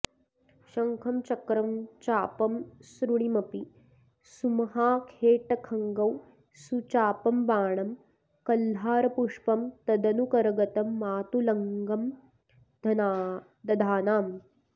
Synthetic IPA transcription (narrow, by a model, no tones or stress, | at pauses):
ʃɐŋkʰɐmt͡ʃɐkɾɐmt͡ʃaːpɐmsɾuɽimɐpi | sumɐɦaːkʰeːʈɐkʰɐŋɡɐw | sut͡ʃaːpɐmbaːɳɐm | kɐlːaːɾɐpuʂpɐmt̪ɐd̪ɐnukɐɾɐɡɐt̪ɐmːaːt̪ulɐŋɡɐm | d̪ɐn | d̪ɐd̪ʱaːnaːm